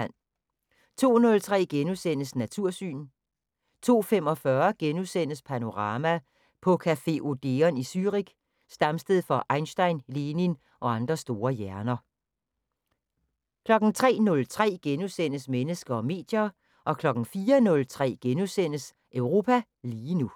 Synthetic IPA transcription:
n̰ | t͡sʰo̝̰ːnɔ̽lt͡sʰʁɛ̰ːɡ̥enusenəsnæt͡sʰuɐ̰sy̰ːn | t͡sʰo̝̰ːfem̰ɒ̽fɶɐɡ̥enusen̰əspʰæno̝ʁɑ̈ːmæ | pʰɒ̽kʰæfe̝ʔo̝d̥e̝ɒnisyʁiɡ̥ | sd̥ɑ̈msd̥eð̩ˠfɒ̽ʔɑ̈ɪnsd̥ɑ̈ɪ̰nleːnin | ʔɒ̽ɑ̈nd̥ʁɐsd̥o̝ːɐjæɐnɐ | kʰlɒ̽ɡ̥n̩t͡sʰʁɛ̰ːnɔ̽lt͡sʰʁɛ̰ːɡ̥enusen̰əsmenəsɡ̥ɐɒ̽me̝̰ːd̥jɐ | ʔɒ̽kʰlɒ̽ɡ̥n̩fiːɐnɔ̽lt͡sʰʁɛ̰ːɡ̥enusen̰əs | ʔøʊʁo̝ːpʰæ | liːnu

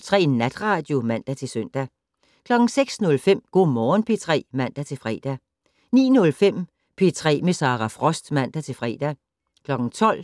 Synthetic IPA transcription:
t͡sʰʁɛ̰ːnæd̥ʁɑ̈ːd̥jo̝mæn̰d̥æt͡sʰe̝søn̰d̥æ | kʰlɒ̽ɡ̥ŋ̩seɡ̥snɔ̽lfem̰ɡ̥o̝̰ːmɒːnpʰe̝t͡sʰʁɛ̰ːmæn̰d̥æt͡sʰe̝lfʁɛ̰ːd̥æ | nḭːnɔ̽lfem̰ | pʰe̝t͡sʰʁɛ̰ːmesɑ̈ːʁɑfʁɒ̽sd̥mæn̰d̥æt͡sʰe̝lfʁɛ̰ːd̥æ | kʰlɒ̽ɡ̥ŋ̩t͡sʰɒ̽l̰

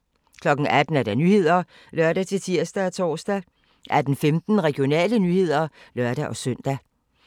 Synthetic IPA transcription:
kʰlɒ̽ɡ̥n̩æd̥n̩æɐd̥ɑ̈nyːhe̝ð̰ˠɐ | lɶɐ̰ɾæt͡sʰe̝lt͡sʰiɐ̰sd̥æt͡sʰɒ̰ːsd̥æ | ʔæd̥n̩femd̥n̩ʁɛɡ̥jo̝nɛ̰ːlənyːhe̝ð̞̰ˠɐlɶɐɾ̥æʔɒ̽sœn̰d̥æ

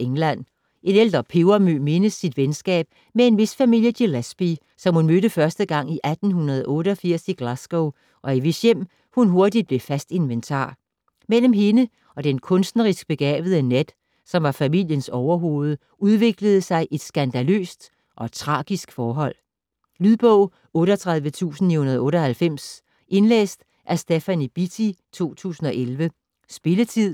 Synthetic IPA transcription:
eŋlæn̰ | ʔe̝nel̰d̥ʁɐpʰeʊɐmøme̝nəsːid̥ʋensɡ̥ɛ̰ːb̥̚ | mee̝nʋe̝sfæmil̰jəd̥ilæsb̥i | sɒ̽mhunmøɾəfɶɐsd̥əɡ̥ɑ̈ŋ̰iʔæd̥n̩hunɐð̞ˠʔɔ̽ːɾəɒ̽fiɐ̰siɡ̥læsɡ̥oʊ | ʔɒ̽iʋe̝sjem̰ | hunɦo̝ɐd̥id̥̚b̥le̝fæsd̥e̝nʋent͡sʰɑ̰̈ː | mel̰m̩ɦe̝nə | ʔɒ̽d̥enkʰɔ̽nsd̥nəʁisɡ̥̚b̥e̝ɡ̥ɛ̰ːʋð̞ˠəned̥ | sɒ̽mʋɑ̈fæmil̰jənsɒʊɐɦo̝ːð̞ˠə | uð̞ˠʋe̝ɡ̥ləð̩ˠəsɑ̈ɪʔe̝d̥sɡ̥ænd̥ælø̰ːsd̥ | ʔɒ̽t͡sʰʁɑ̈ːɡ̥isɡ̥fɒːɦɒ̽l̰ | lyðˠb̥ɔʊ̰ | ɔ̽ːɾɒt͡sʰʁɑ̈ðˠʋət͡sʰṵːsn̩nihunɐð̞ˠɔ̽ːɾɒ̽hælfem̰s | ʔe̝nlḛːsd̥ | ʔæsd̥efænib̥it͡sʰit͡sʰo̝̰ːt͡sʰṵːsn̩ɒ̽ʔelʋə | sb̥e̝lət͡sʰið̰ˠ

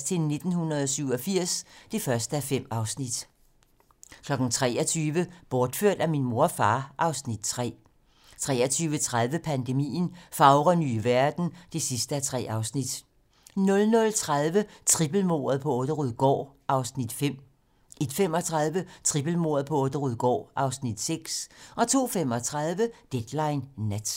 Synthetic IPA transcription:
st͡sʰe̝lne̝d̥n̩hunɐð̞̩ˠɒ̽syʊɒ̽fiɐ̰sd̥e̝fɶɐsd̥əæfem̰ɑ̈ʊsnid̥ | kʰlɒ̽ɡ̥n̩t͡sʰʁɛ̰ːɒ̽t͡sʰyːʋəb̥ɒːd̥føɐ̰d̥æminmo̝ɐfɑ̈ːʔɑ̈ʊsnid̥t͡sʰʁɛ̰ː | t͡sʰʁɛ̰ːɐt͡sʰyːʋət͡sʰʁaðˠʋəpʰænd̥e̝mḭːn̩fɑ̈ʊʁɐnyːʋæɐd̥n̩d̥e̝sisd̥əæt͡sʰʁɛ̰ːɑ̈ʊsnid̥ | nɔ̽lnɔ̽lt͡sʰʁaðˠʋət͡sʰʁib̥l̩mo̝̰ːɐðˠpʰɒ̽ɔ̽ːd̥əʁuðˠɡ̥ɒ̰ːʔɑ̈ʊsnid̥fem̰ | ʔe̝d̥fem̰ɒ̽t͡sʰʁɑð̞ˠʋət͡sʰʁib̥l̩mo̝ːɐðˠpʰɒ̽ɔ̽ːd̥əʁuðˠɡ̥ɒ̰ːʔɑ̈ʊsnid̥seɡ̥sʔɒ̽t͡sʰo̝̰ːfem̰ɒ̽t͡sʰʁɑð̞ˠʋəd̥ed̥lɑ̈ɪnːæd̥

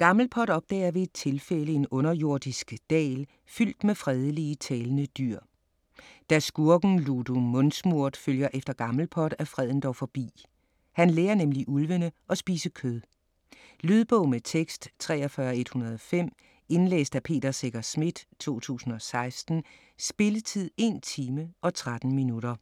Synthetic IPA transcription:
ɡ̥ɑ̈ml̩pʰɒd̥ɒ̽b̥̚d̥ɛ̰ːɐʋe̝ːd̥̚t͡sʰe̝lfeləe̝nɔ̽nɐjo̝ɐ̰d̥isɡ̥d̥ɛ̰ːl | fyl̰d̥mefʁɛð̞ˠəliət͡sʰɛːlənəd̥yɐ̰ | d̥æsɡ̥uɐɡ̥n̩lud̥umɔ̽nsmuɐ̰d̥føljɐʔefd̥ɐɡ̥ɑ̈ml̩pʰɒd̥æfʁɛð̰ˠn̩d̥ɒʊfɒ̽b̥ḭː | hænleːɐnemliʔulʋənəʔɒ̽sb̥iːsəkʰøðˠ | lyð̞ˠb̥ɔʊ̰met͡sʰeɡ̥sd̥t͡sʰʁɛ̰ːɒfɶɐɒe̝d̥hunɐð̞ˠɒ̽fem̰ | e̝nlḛːsd̥æpʰe̝̰ːd̥ɐseɡ̥ɐsmid̥t͡sʰo̝̰ːt͡sʰṵːsn̩ɒ̽sɑ̈ɪsd̥n̩ | sb̥e̝lət͡sʰið̞̰ˠe̝nt͡sʰiːməʔɒ̽t͡sʰʁad̥n̩minuɾɐ

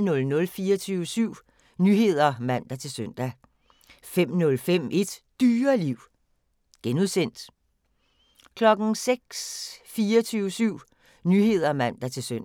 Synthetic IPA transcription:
nɔ̽lnɔ̽lfiːɐt͡sʰyːʊəsyʊ̰ | nyɦe̝ð̞̰ˠɐmæn̰d̥ɐt͡sʰe̝lsœn̰d̥æ | fem̰nɔ̽lfem̰e̝d̥d̥yːɐliʊ̰ | ɡ̥enuðˠsen̰d̥ | kʰlɒ̽ɡ̥n̩seɡ̥sfiːɐt͡sʰyːʊəsyʊ̰ | nyːe̝ð̞̰ˠɐmæn̰d̥æt͡sʰe̝lsøn̰

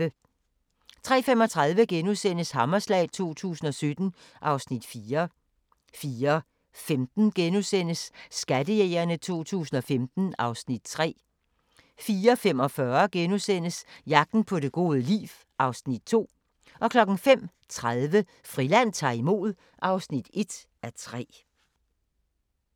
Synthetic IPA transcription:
ə | t͡sʰʁɛ̰ːfem̰ɒ̽t͡sʰʁɑ̈ð̞ˠʋəɡ̥enusen̰əshɑ̈mɐslɛ̰ːɪt͡sʰo̝̰ːt͡sʰṵːsn̩ɒ̽sød̥n̩ | ʔɑ̈ʊsnid̥fiːɐ | fiːɐ | femd̥n̩ɡ̥enusen̰əsːɡ̥ædəjeːɪɐnət͡sʰo̝̰ːt͡sʰṵːsn̩ɒ̽femd̥n̩ɑ̈ʊsnid̥̚t͡sʰʁɛ̰ː | fiːɐfem̰ɒ̽fɶɐɡ̥enusen̰əsjɑ̈ɡ̥̚d̥n̩pʰɒ̽de̝ɡ̥o̝ːðˠəlḭːf | ʔɑ̈ʊsnid̥̚t͡sʰo̝̰ː | ʔɒ̽kʰlɒ̽ɡ̥n̩fem̰ | t͡sʰʁaðˠʋə | fʁilæn̰t͡sʰɑ̰̈ːimo̝̰ːð̞ˠ | ʔɑ̈ʊsnid̥e̝d̥ | ʔæt͡sʰʁɛ̰ː

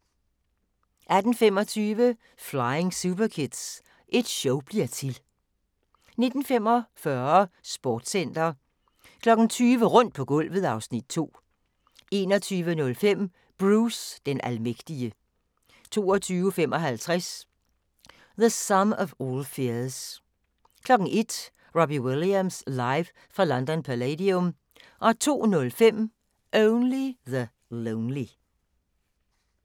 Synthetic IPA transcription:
ʔæd̥n̩fem̰ɒ̽t͡sʰyːʋə | fläɪe̝ŋsub̥ɐkʰed̥s | ʔe̝d̥ɕɔʊb̥liɐt͡sʰe̝l | ne̝d̥n̩fem̰ɒ̽fɶɐɐsb̥ɒːd̥sen̰d̥ɐ | kʰlɒ̽ɡ̥n̩t͡sʰyːʋəʁɔ̽n̰d̥̚pʰɒ̽ɡ̥ɔ̽l̰ʋð̩ˠɑ̈ʊsnid̥̚t͡sʰo̝̰ː | e̝̰ːnɒt͡sʰyːʋənɔ̽lfem̰ | b̥ʁuːsd̥enʔælmeɡ̥d̥iə | t͡sʰo̝̰ːɒt͡sʰyːʊəfemʔɒ̽ɦælt͡sʰʁas | ðəsʌmɒʋɔːlfeɐs | kʰlɒ̽ɡ̥n̩e̝d̥ | ʁɑb̥iweliæmslɑ̈ɪʋ | fʁɑ̈lɒnd̥ɒnpʰælɛdiɔm | ʔɒ̽t͡sʰo̝̰ːnɔ̽lfem̰ | ʔoʊnliðə | loʊnli

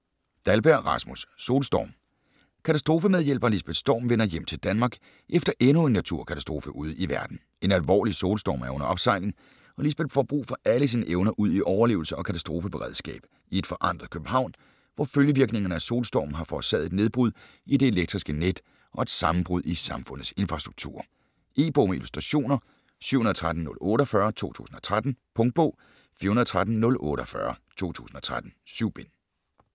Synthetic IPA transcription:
d̥ælb̥æɐ̰ʁɑ̈smusːo̝̰ːlsd̥ɒ̰ːm | kʰæt͡sʰæsd̥ʁo̝ːfəmeð̞ˠjel̰b̥ɐlisb̥e̝d̥sd̥ɒ̰ːmʋenɐjem̰t͡sʰe̝ld̥ænmɑ̈ːɡ̥ | ʔefd̥ɐʔenue̝nːæt͡sʰuɐ̰kʰæt͡sʰæsd̥ʁo̝ːfəʔuð̰ˠiʋæɐd̥n̩ | e̝nælʋɒ̰ːliso̝ːlsd̥ɒ̰ːmæɐɔ̽nɐɒ̽b̥sɑ̈ɪ̰le̝ŋ | ɒ̽lisb̥e̝d̥fɒ̰b̥ʁṵːfɒ̽ʔæləs̬iːnəʔeʊnɐʔuð̰ˠiʔɒʊɐle̝̰ːʊl̩səɒ̽kʰæt͡sʰæsd̥ʁo̝fəb̥e̝ʁɛð̰ˠsɡ̥ɛ̰ːb̥ | ie̝d̥fɒ̽ʔɑ̈n̰d̥ʁð̩ˠkʰøb̥m̩hɑ̈ʊ̰n | ʋɒføljəʋiɐɡ̥ne̝ŋɐnəæso̝̰ːlsd̥ɒ̰ːmn̩ɦɑ̈fɒ̥ːsɛ̰ðˠe̝d̥ne̝ð̞ˠb̥ʁuð̰ˠ | id̥e̝e̝leɡ̥̚d̥ʁisɡ̥əned̥ | ʔɒ̽e̝d̥sɑ̈mm̩b̥ʁuð̞̰ˠisɑ̈mfɔ̽n̰ð̩ˠse̝nfʁɑ̈sd̥ʁuɡ̥̚t͡sʰṵːɐ̰ | ʔe̝̰ːb̥o̝ːmeilusd̥ʁɑɕo̝̰ːnɐ | sy̰hunð̩ˠt͡sʰʁad̥n̩ːɔ̽lɔ̽ːɾ̥ɒfɶɐt͡sʰo̝̰ːt͡sʰṵːsn̩ɒ̽t͡sʰʁad̥n̩pʰɔ̽ŋ̥̚b̥ɔ̰ː | fḭːɐhunðˠt͡sʰʁad̥n̩nɔ̽lʔɔ̰̽ːɾ̥əɒfɶɐt͡sʰo̝̰ːt͡sʰṵːsn̩ɒ̽t͡sʰʁad̥n̩syʊ̰b̥en

